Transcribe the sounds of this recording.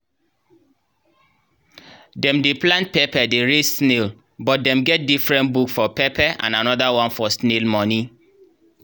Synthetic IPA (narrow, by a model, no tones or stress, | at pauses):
dɛ̃mdeplãnt̚pepɛdeɹedsnel | bɔt̚dɛ̃mɡɛt̚difɹɛ̃ntbukfɔpepɛʔã̰nanɔdawɔ̃nfɔsnelmɔni